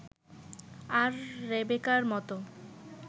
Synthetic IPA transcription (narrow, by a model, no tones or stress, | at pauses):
aɾːebekaɾmɔt̪o